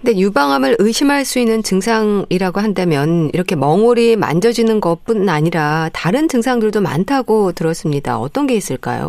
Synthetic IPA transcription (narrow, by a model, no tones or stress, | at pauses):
kɯnde̞jubaŋɦamɯɾɯɕʰimɦaɭs͈uinːɯnt͡ɕɯŋsʰaŋiɾaɡoɦandamjʌniɾʌkʰe̞mʌŋoɾima̰nd͡ʑʌd͡ʑinɯnɡʌp͈unaɲiɾataɾɯnd͡ʑɯŋsʰaŋdɯɭdoma̰ntʰaɡotɯɾʌs͈ɯmɲida̰ʌt͈ʌnɡe̞is͈ɯɭk͈a̰jo̰